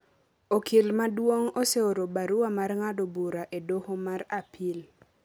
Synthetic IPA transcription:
okʰilmadwoŋoseoɾobaɾʊwamarŋadobuɾaʔedohomaɾapʰɪl

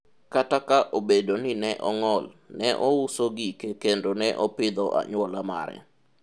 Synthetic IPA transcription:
katakaʔobedonɪnɛʔɔŋɔlnɛʔɔusoɡikekendonɛʔɔpɪd̪ɔʔa̰ɲʊwɔlama̰ɾɛ̰

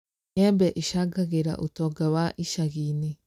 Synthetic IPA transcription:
jɛmbɛʔiʃaɡaɣeɾa̰ʔotɔɡawaʔiʃaɣiːne

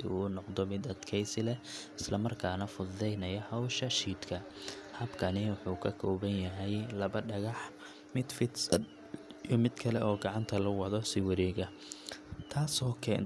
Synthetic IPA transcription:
uːnɔqd̪ɔmɪd̪ɐd̪kʰɛjsɪlɛɪslɐmɐrkʰaːnɐfʊðɛjnɐjɐhɐwʃɐʃiːd̪kʰɐ | hɐbkʰɐnɪwʊħuːkʰɐkʰɔːβɐnjɐɦɛjlɐβɐɖɐɣɑħ | mɪd̪fɪd̪sɐd̪ | jɔmɪd̪kʰɐlɛʔɔːɡɑʕɑnt̪ʰɐlɐwɑðɔsɪwɐɾɛːɣɐ | t̪ʰaːsɔːkʰɛ̰ːn

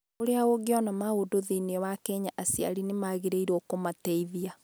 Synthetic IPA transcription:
oɾeaoɡeɔnamaodoðineɛwakɛɲaʔasja̰ɾinemaɣeɾeiɾokomatɛiðia

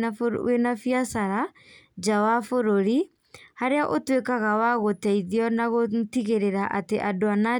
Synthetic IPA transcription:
enafiasaɾa | d͡ʒawafoɾoɾi | haɾeaʔotwekaɣawaɣotɛiðiɔnaɣotiɣeɾeɾaʔa̰teʔadoana

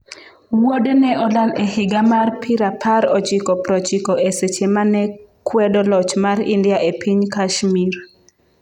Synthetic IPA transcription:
wodenɛʔɔdalehɪɡamarpʰɪɾapʰaɾɔt͡ʃɪkɔpɾɔt͡ʃɪkɔʔeset͡ʃemanɛkwɛdɔlɔt͡ʃmaɾindɪaʔepʰiɲkaʃmir

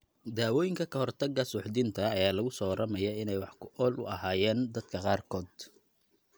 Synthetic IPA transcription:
d̪aːwɔːjɪŋkʰɐkʰɐhɔrt̪ʰɐɡɐsʊːħd̪ɪnt̪ʰɐːjaːlɐɣʊsɔːɾʔɐmɛjɔɪnɛjwɑħkʰʊʔɔːlʔʊ̰ʔɐhaːjɛːnd̪ɐd̪kʰɐqɑːrkʰɔːd̪

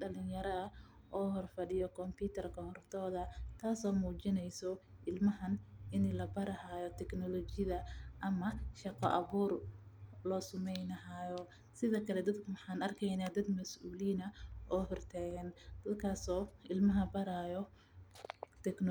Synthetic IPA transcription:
ɖɐlɪnjɐɾɐɐʔɔːɦɔrfɐɖɪjɔkʰɔmpʰiːt̪ʰɐrkʰɐhɔrt̪ʰɔːðɐt̪ʰaːsɔːmuːt͡ʃɪnɛjsɔʔɪlmɐɦɐnɪnlɐbɐɾɐhaːjɔt̪ʰɛknɔlɔt͡ʃɪðɐʔɐmɐʃɑqɔ̰ʔɐβuːrlɔːsʊmɛjnɐɦaːjɔ | sɪðɐkʰɐlɛd̪ɐd̪kʰʊwɑħɑːnɐrkʰɛjnaːd̪ɐd̪mɐsʔuːliːnɐʔɔːhɔrt̪ʰaːɣɐnd̪̥ɐd̪kʰaːsɔːʔɪlmɐɦɐbɐɾaːjɔ | t̪ʰɛkn

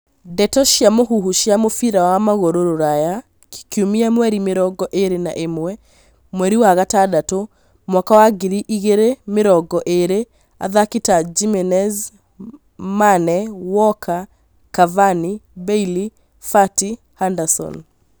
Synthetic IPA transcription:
dɛtɔʃjamoɦuɦuʃjamofiɾawamaɣoɾoɾoɾaja | ki̥kiumiamwɛɾimeɾɔɡɔʔeɾena̰ʔemwɛ | mwɛɾiwaɣatadato | mwakawaɡiɾiʔiɣeɾemeɾɔɡɔʔeɾe | a̰ðakitad͡ʒimɛnɛz | manɛwɔkʰa | kavanibɛili | fati | handasɔ̰n

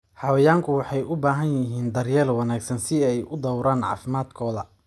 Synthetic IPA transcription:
ħɑwɐjaːŋkʰʊwɑħɑjʊbaːɦɐnjɪɦiːnd̪ɐrjɛːlwɑnaːɡsɐnsɪɛjʊd̪ɔwɾaːnʕɑ̰ːfɪmaːd̪kʰɔːðɐ

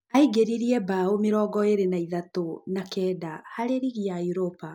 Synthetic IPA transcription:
aiɡeɾiɾiɛbaomeɾɔːɡɔeɾenaiðatonakɛːdahaɾeɾiɣiaiɾopa

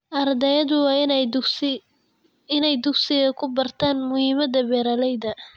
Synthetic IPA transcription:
ʔɐrd̪ɛjɐðʊwɑː | ɪnɛjd̪ʊɡsɪɣɐkʰʊbɐrt̪ʰaːnmʊhiːmɐdɐbɛːɾɐlɛjðɐ

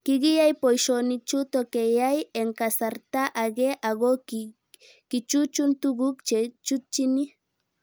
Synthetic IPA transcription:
kɪɡijajpojʃonit͡ʃut̪okejajeŋkasaɾt̪aʔaɡeʔaɡok | kɪt͡ʃut͡ʃunt̪uɡukt͡ʃet͡ʃut͡ʃini

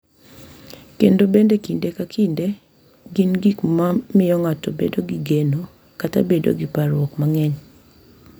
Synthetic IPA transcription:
kendobendekindekakinde | ɡɪnɡikmamɪɔŋatɔbedoɡiɡeno | katabedo̰ɡipaɾwɔkmaŋɛɲ

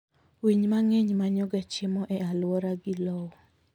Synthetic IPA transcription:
wiɲmaŋeɲmaɲɔɡat͡ʃɪmɔʔɛalwɔɾaɡɪlɔwɔ

